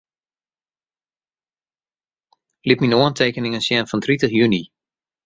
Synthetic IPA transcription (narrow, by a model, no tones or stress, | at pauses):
lipminoəntʰeːkənɪŋənsjɛnfɔntritəχjyni